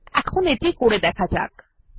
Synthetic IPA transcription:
ɛkʰoneʈikoɽed̪ɛkʰad͡ʑa̰k

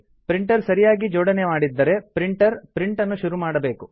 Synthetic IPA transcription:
pɾiɳʈɐɾsɐɾijaːɡid͡ʒɔːɽɐnemaːɽid̪ːɐɾe̞pɾiɳʈɐɾpɾiɳʈɐnːuʃuɾumaːɽɐbe̞ːku

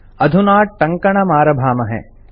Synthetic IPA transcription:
ɐd̪ʱunaːʈʈːɐŋkɐɳɐmaːɾɐbʱaːmɐɦɛ̰

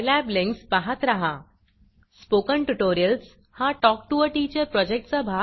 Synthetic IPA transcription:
læblẽŋkspaɦat̪ɾaɦa | spokəɳʈuʈoɾijəls | hãʈɔk̚ʈuəʈit͡ɕəɾpɾɔd͡ʑek̚ʈt͡sabʱa

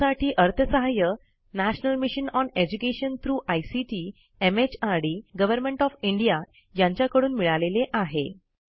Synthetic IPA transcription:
aʈʰiːʔəɾt̪ʰəsəɦajə | næɕnəlmiɕənɔned͡ʑukeɕənt̪ʰɾuːʔajsiʈiː | emet͡ɕaɽiɡəʋəɾmẽɳʈɔfiɳɖija | jãɲt͡ɕjakəɽuːnmiɭaleleʔaɦe

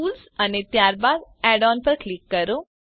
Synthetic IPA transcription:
uːlsənet̪jaɾbad̪ɛɖɔnpəɾklikːəɾo

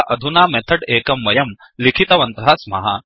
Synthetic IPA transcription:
ʔɐd̪ʱunaːmɛt̪ʰɐɽeːkɐmʋɐjɐm | likʰit̪ɐʋɐnt̪ɦaːsmɐ̰ɦɐ̰

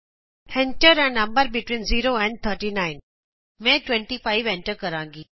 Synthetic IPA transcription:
hɛ̃ɳʈəɾɛ̃nɐ̃mbəɾbɪʈwĩːnziːɾoːɛ̃ɳɖ̚t̪ʰəɾʈiːnãɪn | mɛ̃ːʈwɛ̃ɳʈifaɪʋɛ̃nʈəɾkəɾãːŋɡiː

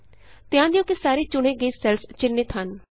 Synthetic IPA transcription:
t̪ɪãːnd̪ijõːkisaːɾeːt͡ʃʊɽ̃eːɡəiːsɛlst͡ʃɪnːɪt̪ɦən

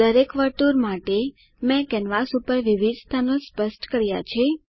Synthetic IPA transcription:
əɾekʋəɾt̪uɾmaʈe | mɛ̃kɛnʋasupəɾʋiʋid̪ʱst̪ʰanospəsʈkəɾja̰t͡ʃʰe

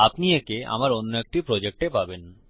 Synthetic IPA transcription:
apniekea̰maɾonːoek̚ʈipɾɔd͡ʑek̚ʈepaben

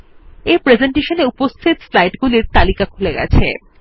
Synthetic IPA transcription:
epɾed͡ʑeɳʈeʃoneupost̪ʰit̪slajʈɡuliɾt̪alikakʰuleɡɛ̰t͡ɕʰḛ

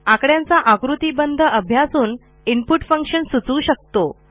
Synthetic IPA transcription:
akɽjãnt͡saʔakɾut̪iːbənd̪ʱəəbʱjasuːn | impuʈfəŋkɕənsut͡suːɕək̚t̪o

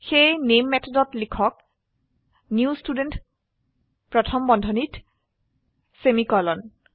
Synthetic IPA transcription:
xejnemːɛtʰɔdɔtlikʰɔk̚ | niustudent | pɹɔtʰɔmbɔndʱɔnit | semikɔlɔn

